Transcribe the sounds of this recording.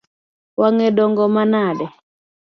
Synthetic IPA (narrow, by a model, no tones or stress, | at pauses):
waŋɛɗɔŋɡɔmanaɗɛ